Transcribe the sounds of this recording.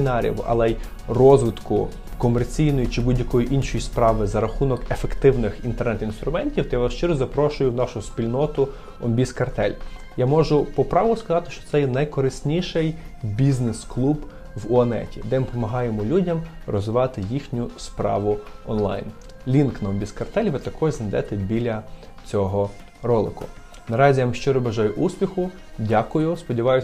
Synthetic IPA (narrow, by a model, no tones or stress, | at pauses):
ɪnɑɾʲḭwɐ̰lˠɛj | rɔzʋɪt̪kʊ | kɔmert͡sʲijnɔjit͡ʃɪbudʲjɐkɔjiʔinʃɔjispɾɑʋɪzɐɾɐxunɔkefe̞kt̪ɪwnɪxint̪ɛrnɛt̪inst̪ɾʊmɛnʲtʲiwt̪ɔjaɐʃt͡ʃɪɾɔzɐpɾɔʃʊjʊwnɑʃʊspʲilʲnɔt̪ʊ | ɔmʲbʲiskɐrt̪ɛlʲ | jamɔʒʊpɔpɾɑʋˠɔskɐzɑt̪ɪ̥ʃt͡ʃɔ̥t̪sɛjɛnɐjkɔɾɪsʲnʲiʃɛj | bʲiznɪsklˠub | ʋʊɐnɛ̰tʲḭd̪ɛmɪpɔmɐɦɑjemɔlʲudʲɐmrɔzʋɪʋɑt̪ɪjixnʲʊspɾɑ̰ʋʊɔnlˠɑ̰jn | lʲinknɐɔmʲbʲiskɐrt̪ɛlʲʋɪt̪ɐkɔʒznɐjd̪ɛt̪ɛbʲilʲɐt͡sʲɔɦɔ | ɾɔlˠɪkʊ̰ | nɐɾɑzʲijamɪʃt͡ʃɪɾɔbɐʒɑjʊʔusʲpʲixʊ | dʲakʊjʊspɔdʲiʋɑjʊ